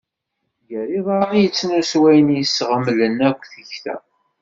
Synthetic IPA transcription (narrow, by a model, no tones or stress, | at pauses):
jəɾiðˤɑɾijət͡sːnæswæjnjəsʁəmlənækʷːθəçθæ̰